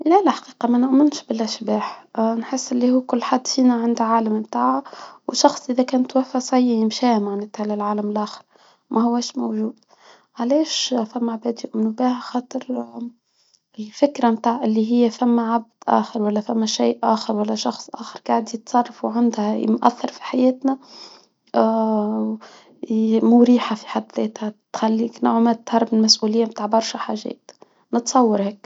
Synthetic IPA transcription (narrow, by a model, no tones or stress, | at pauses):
lælæħḁqiːqɑmænaʔmɪnʃbɪlʔæʃbaːħnħɪsːʔɪlːihuːkʊlːħad̪ːfiːnæʕand̪ʕaːlammt̪aːʕawʃɑxsˤʔɪðækæːnt̪wæfæsˤɑjːjɪmʃɛːhmaʕnæːt̪ʕlælʕaːləmɪlʔæːxə̥ɾ | mʔæhʊwːæːʃmowʒuːd̪̥̚ | ʕalɛːʃfæmːaʕabæːd̪jʊʔmnubæːhxɑːt̪ˤɨɾ | ɪlfɪkɾamt̪aːʕʔɪlːiɦɪjːæfæmːæʕab̚d̪̥ʔæ̰ːxəɾwælːæfæmːæʃaːʔʔæːxəɾwælːæʃɑxsˤʔa̰ːxɑɾɡaʕd̪ijt̪sˤɑrˤːɑfuʕand̪hæ̰mʔæ̰θːɑɾˤfi̥ħajɛːt̪næ | mʊɾiːħafi̥ħad̪ðɛːt̪hæt̪xælːiːkna̰ʕmæt̪hɑrˤːbmnlmæsʔuːlɪjːamt̪aːʕbɑɾˤʃæħa̰ːʒɛ̰ːt̪ | nət̪sˤɑwːɑɾhɛːk